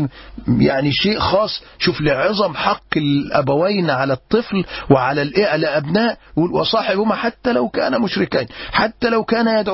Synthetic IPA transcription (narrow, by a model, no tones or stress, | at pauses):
jaʕniʃeːʔxɑːsˤ | ʃuːfliʕezˤɑmħɑqːɪlʔæ̰bæwæjnʕalæt̪ˤːɨflwɪʕalælʔeʔlæʔæbnæːʔwesˤɑːħebʊmæħat̪ːælæwkæ̰ːnæmʊʃɾɪkæːnħat̪ːælæwkæːnæjæd̪ʕ